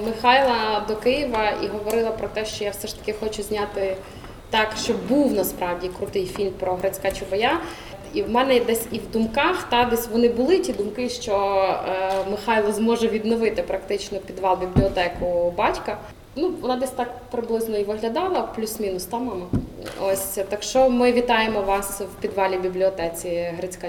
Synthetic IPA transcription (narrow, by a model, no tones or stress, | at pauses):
mɪxɑjlˠɐd̪ɔkɪjɪʋɐḭɦɔʋɔɾɪlˠɐpɾɔt̪ɛʃt͡ʃɔjawsɛʃt̪ɐ̥kʲɪxɔt͡ʃʊzʲnʲat̪ɪ | t̪ɑkʃt͡ʃɔbuwnɐspɾɑwdʲikɾʊt̪ɪjfʲilʲmpɾɔɦɾɐt͡sʲkat͡ʃʊbɔja | iwmɛnɛd̪ɛsʲiwd̪ʊmkɑxt̪ɑd̪ɛsʲʋɔnɪbʊlˠɪtʲid̪ʊmkɪʃt͡ʃɔ | mɪxɑjlˠɔzmɔʒɛʋʲid̪nɔʋɪt̪ɪpɾɐkt̪ɪt͡ʃnɔpʲid̪ʋɑlˠbʲiblʲiɔt̪ɛkʊbɑtʲkɐ | nuʋɔnɑd̪ɛsʲt̪ɑk̚pɾɪblˠɪznɔiʋɪɦlʲɐd̪ɑlˠɐplʲusmʲinʊst̪ɑmɑmɐ | ɔsʲt̪ɐkʃt͡ʃɔmɪʋʲit̪ɑjemɔʋɑswpʲid̪ʋɑlʲibʲiblʲiɔt̪ɛt͡sʲiɦɾɐt͡sʲka